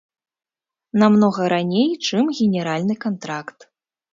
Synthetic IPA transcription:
namnɔɣɐɾanʲejt͡ʂɨmɣʲɛnʲɛɾalʲnɨkant̪ɾakt̪

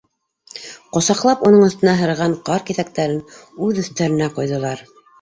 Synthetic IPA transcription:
qŏsɑqlˠɑpunɤɴɤ̆θt̪ɤ̆nɑɦɤ̆ɾʁɑɴqɑɾkiθæk̚t̪æɾɘnʉðɵ̆θt̪æɾɘ̆næqojðɤ̆lˠɑɾ

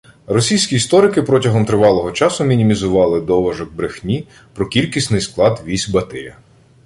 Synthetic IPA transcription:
rɔsʲijsʲkʲiːst̪ɔɾɪkɪpɾɔtʲɐɦɔmt̪ɾɪʋɑlˠɔɦɔt͡ʃɑsʊmʲinʲimʲizʊʋɑlˠɪd̪ɔʋɐʒɔɡ̚bɾɪxnʲi | pɾɔkʲilʲkʲisʲnɪjsklˠɑd̪ʋʲisʲbɐt̪ɪjɐ

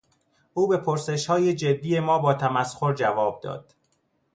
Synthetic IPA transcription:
ʔuːbe̞pʰoɾse̞ʃhɒːjed͡ʒe̞d̪ːije̞mɒːbɒːt̪ʰæmæsxo̞ɾd͡ʒævɒːb̚d̪ɒ̰ːd̪̥

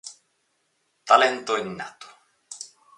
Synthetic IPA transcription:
t̪alɛnt̪oinːa̰t̪o̥

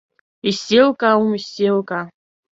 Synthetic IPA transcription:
iselkʼaumiselkʼa

